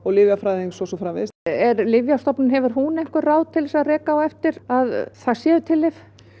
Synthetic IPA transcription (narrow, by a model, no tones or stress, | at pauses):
ɔɣlɪvjafɾaːjðiŋsɔsɔfɾamvɪ̰sɛɾlɪvjast̪ɔpnɪnɦɛvʏɾ̥ɦunɛjŋ̥kʏɾraːwðt̪ʰɪlsaðrɛːkawɛft̪ɪɾaðθaðsjɛːðʏt̪ʰɪlːɪf